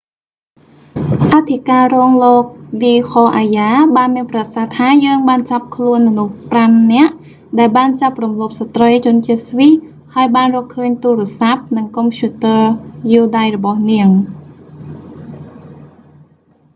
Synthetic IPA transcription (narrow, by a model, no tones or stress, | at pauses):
ʔat̪ʰikaːrɔːŋloːk̚ʋiːkʰoːʔajaːɓaːnmiənprasaht̪ʰaːjəːŋɓaːnt͡ɕap̚kʰluənmɔnuhpramnɛ̆əʔ | ɗaɛlɓaːnt͡ɕap̚rumloːp̚sat̪rəjt͡ɕʊ̆ənt͡ɕiət̪̚sʋih | haəjɓaːnrɔːhkʰəːɲt̪uːɾɛ̆əsap̚nɨŋkɔmpʰjuːt̪əːjuːɗajrɔɓɑhniəŋ